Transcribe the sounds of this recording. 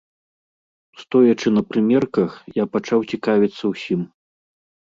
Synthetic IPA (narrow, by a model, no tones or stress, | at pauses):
st̪ɔjɐt͡ʂɨnɐpɾɨmʲɛrkɐxjapat͡ʂawt͡sʲikavʲit̪sːɐwsʲim